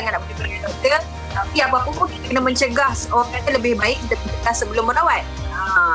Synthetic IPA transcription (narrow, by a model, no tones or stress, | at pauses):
aŋanaʔbolɛhbərkat̪ət̪ə | t̪apiapəapəpukit̪akənamə̃ɲt͡ʃəɡahsowakat̪aləbɪhbaɪk̚it̪əpit̪əlasəbəlʊmːənawat̪̚ə